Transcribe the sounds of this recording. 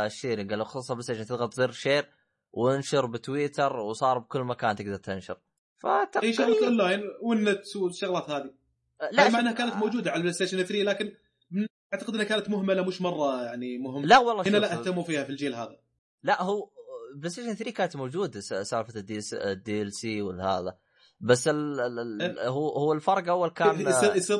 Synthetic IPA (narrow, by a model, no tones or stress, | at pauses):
ʃːeːɾiɡalːaxɑssˤɑblest̪eːʃant̪ɪðɣɑlt̪zˤiɾʃeːɾ | wɪnʃɑɾˤbɪt̪wiːt̪ɑɾwsˤɑːɾˤb̚kʊlːmakaːnt̪ɪɡd̪ɑɾˤt̪ɪnʃɑ̰ɾ | fa̰t̪aiːʃaɣlat̪ʔɔnlaːjnwɪnːɪt̪swʃːʊɣlaːt̪haːði | lamaʕanːhakaːnat̪mowd͡ʒuːd̪aʕalblest̪eːʃɪnθɾiːlaːkɪn | bɪn | aʕt̪aqɪd̪ɪnːhakaːnat̪mʊɦmːalamʊʃmɑrˤːɑjaʕnimʊɦɪmlaʔwɑlˤːɑːanalaʔah̪amːufiːhafild͡ʒeːlɦa̰ːða | laʔhʊblest̪eːʃɪnθɾiːkaːnat̪mowd͡ʒuːd̪ssaːɾfad̪sd̪iʔɛlsiwɪlːha̰ːða̰ | basːɪlː | hhʊwːalfɑɾˤɡʔawːalkaːns